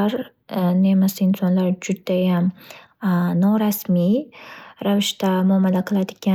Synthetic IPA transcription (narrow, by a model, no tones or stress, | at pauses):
aɾ | nemasɪɪnsɒnlaɾd͡ʒʊd̪ajam | nɒɾasmi | ɾavɪʃt̪amʊamːad̪aqʰɨlˠad̪ɪkʲa